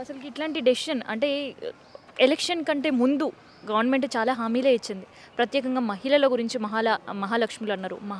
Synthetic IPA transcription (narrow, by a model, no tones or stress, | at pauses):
ɐsɐluiʈlaːɳʈiɖesiʃɐnɐ̰ɳʈe̞ː | elekʂɐnkɐɳʈe̞ːmund̪u | ɡɐʋɐɾnme̞ɳʈt͡ʃaːlaːɦaːmiːleːit͡ʃːind̪i | pɾɐt̪jɛːkɐŋɡaːmɐɦilɐloːɡuɾiɲt͡ʃimɐɦaːlamɐɦaːlɐkʂmiloɐnːaːɾṵmɐɦ